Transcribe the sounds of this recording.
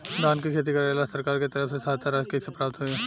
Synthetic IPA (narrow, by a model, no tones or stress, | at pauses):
d̪aːnkikʰeːt̪̬ikɐɾalasɐɾkaːɾket̪ɐɾəfsesaːt̪ʰaɾaːd͡ʒkesepɾaːp̚t̪ɦoɛː